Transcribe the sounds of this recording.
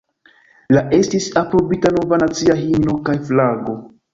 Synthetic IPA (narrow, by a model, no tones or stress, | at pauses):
laʔe̞stisapɾo̞bitano̞vanat͡siaɦinno̞kajflaɡo̞